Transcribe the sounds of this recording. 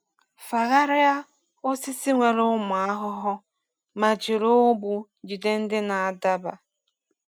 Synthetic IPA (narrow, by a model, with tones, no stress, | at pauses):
fa˨ɣa˦ɾɪ˦a˦ | ʊ˦si˦si˦ŋʷe˨ɾʊ˦mʊ˨a˦ɦʊ˦ɦʊ˦ | ma˨d͡ʒɪ˨ɾo˦bu˨ | d͡ʒi˨de˦n̩˦dɪ˦na˨a˨da˦ba˨